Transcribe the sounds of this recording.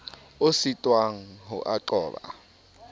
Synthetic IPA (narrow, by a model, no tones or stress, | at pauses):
ositʼwaŋ̩ɦṵʔaǃɔːɓa̰